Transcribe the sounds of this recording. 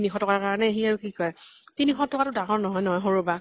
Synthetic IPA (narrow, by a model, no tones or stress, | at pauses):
nixʰɔtɔkaɹkaɹɔnɛeɦiaɹukikɔjtinixɔtɔkatʊdaŋɔɹnɔɦɔjnɔɦɔjɦoɹoba